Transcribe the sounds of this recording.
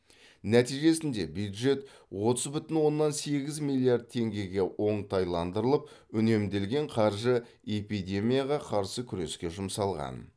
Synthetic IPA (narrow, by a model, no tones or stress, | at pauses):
æt̪ijʒe̞sɪnd̪e̞bjud̪ʒe̞t̪ | wo̞t̪əzbʏt̪ɪnwo̞nːɑnse̞ɡʲɪzmilʲˠːiard̪̚t̪ʰe̞ŋɡʲe̞ɡʲe̞wʔo̞ɴt̪ʰɑjlˠɑnd̪əɾəlˠəp̚ʏne̞md̪e̞lɡʲe̞ɴqʰɑɾʒə | e̞pijd̪e̞mʲijaʁɑqʰɑɾsəkʲʰʏɾe̞skʲe̞ʒʊmsɑlˠʁɑ̰n